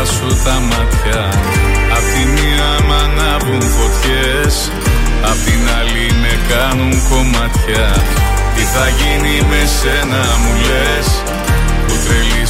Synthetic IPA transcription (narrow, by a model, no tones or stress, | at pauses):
sut̪ɐmɐt̪çɐː | pt̪imi | ɐmɐnɐvuŋko̞t̪çe̞ | s | ɐpot̪inɐlime̞kɐnuŋko̞mɐt̪çɐ | t̪iθɐʝinime̞se̞nɐmule̞ | s | put̪ɾe̞li